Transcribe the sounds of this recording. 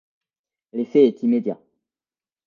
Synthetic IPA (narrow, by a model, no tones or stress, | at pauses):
lefɛːt̪imed̪ja